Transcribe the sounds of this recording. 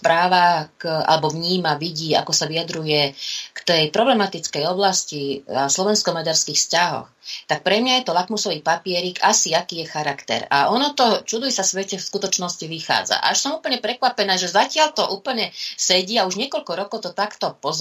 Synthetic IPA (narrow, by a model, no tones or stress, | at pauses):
pɾaːʋakʔa̰lɛbɔʋɲiːmaʋiɟiːa̰kɔsaʋijad̪ɾujɛkt̪ɛjpɾɔblɛmat̪it͡skɛjɔblasciaslɔʋɛnskɔmaɟaɾskiːxscaɦɔ̰xt̪ak̚pɾɛmɲajɛt̪ɔlakmusɔʋiːpapɪɛɾiːkasiakiːjɛxaɾakt̪ɛ̰ɾa̰ʔɔnɔt̪ɔt͡ʃud̪ʋisasʋɛcɛfskut̪ɔt͡ʃnɔsciʋixa̰ːd͡za̰ʔa̰ʃsɔmuːpl̩ɲɛpɾɛkʋapɛnaːʒɛzacɪaʎt̪ɔʔuːpl̩əɲɛsɛɟiauʒɲɛkɔʎkɔɾɔkɔʊt̪ɔt̪akt̪ɔpɔz